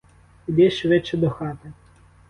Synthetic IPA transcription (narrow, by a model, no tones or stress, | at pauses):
id̪ɛʃʋɪt͡ʃːɛd̪ɔxɑt̪ɪ